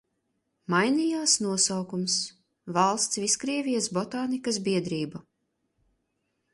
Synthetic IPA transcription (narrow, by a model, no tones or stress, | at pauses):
majniːjaːsnuɔsawkums | valˠst̪sviskɾiɛvʲijasbɔt̪aːnikas̬biɛd̪ɾiːbu